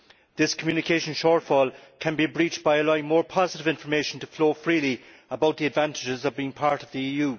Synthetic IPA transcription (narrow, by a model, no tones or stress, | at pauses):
ðɪskʰəmjʉːnɪkʰeɪʃə̃nʃɔːɹtfɔlˠkʰə̃nbibɹiˑt͡ʃb̥aɪəlaɪɪ̃ŋmɔːɹpʰɑzɪɾɪvɪ̃ɱfə˞meɪʃə̃n̩tʰəfloːfɹiːli | əbaʊt̪̚ðiədvãntɪd͡ʒɪzʌvbiːɪ̃ŋpʰaɹɾəvðiiːjʉː